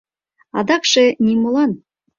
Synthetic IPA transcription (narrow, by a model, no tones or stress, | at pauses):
ɑ̰d̪ɑkʃenʲimulˠɑn